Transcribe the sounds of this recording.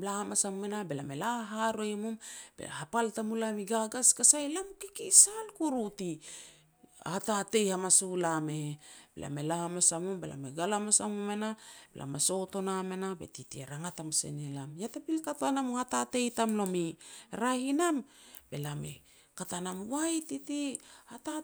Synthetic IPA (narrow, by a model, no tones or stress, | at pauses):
lahamasamumenabelame̞laɦaɾojmumb̥ḛla̰hapaltamulamiɡaɡaskasajlamukikisalkuɾuti | a̰tate̞jhamasulameb̥elʔa̰me̞lahamasamumbelʔa̰meɡalamasamumenabḛlʔa̰maso̞to̞namenabe̞̰titieɾaŋatamsḛnilamjatapilkatanamoatate̞jtamlo̞miɾahinamb̥e̞lame̞̰ | katanamwajtitiata